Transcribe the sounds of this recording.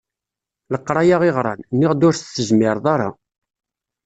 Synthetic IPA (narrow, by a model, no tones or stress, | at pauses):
ləqːɾˤɑjaʁeʁɾˤɑ̰nnːɪʁd̪ʊɾθsəʒmɪɾˤðˤaɾˤɑ̰